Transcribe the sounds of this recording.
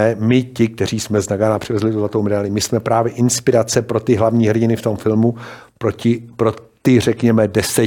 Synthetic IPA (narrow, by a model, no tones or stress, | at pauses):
ɛmɪcɪk̚t̪ɛriːsmɛznaɡaːnapr̝̥ɪvɛzlɪt̪uzlat̪owmɛdalɪmɪsmɛpɾaːvjɛʔɪnspɪɾat͡sɛpɾo̞t̪ɪɦlavɲiːɦr̩ɟɪnɪft̪o̞mfɪlmu | pɾocɪpɾot̪ɪr̝ɛkɲɛmɛdɛsɛ